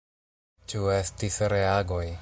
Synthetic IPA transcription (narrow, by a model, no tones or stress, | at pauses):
t͡ʃue̞stisɾeaɡo̞j